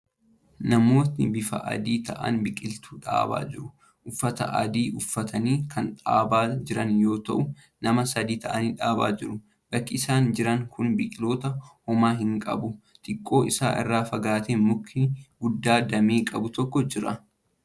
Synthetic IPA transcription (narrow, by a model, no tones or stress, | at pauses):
nɐmo̞ːt̪nɪbɪfɐ̰ʔɐ̰d̪iːt̪ɐʔɐ̰nbɪkʼɪlt̪uːᶑa̰ːba̰ːd͡ʒɪɾʊ | ʔʊfːɐt̪ɐ̰ʔɐ̰d̪iːʔʊfːɐt̪ʰɐniːkʰɐnᶑaːbaːd͡ʒɪɾɐnjo̞ːt̪ɐ̰ʔʊ | nɐmɐsɐd̪iːt̪ɐʔɐniːᶑaːbaːd͡ʒɪɾʊ | b̥ɐkːɪɪsaːnd͡ʒɪɾɐŋkʰʊnbɪkʼɪlo̞ːt̪ɐhɔmaːɦɪŋkʼɐ̰bʊ | t̪ʼɪkʼːo̞ːʔɪsa̰ːʔɪ̰rːaːfɐɡaːt̪eːmʊkːɪɡʊd̪ːaːd̪ɐmeːkʼɐbʊt̪ɔkːɔd͡ʒɪɾɐ̰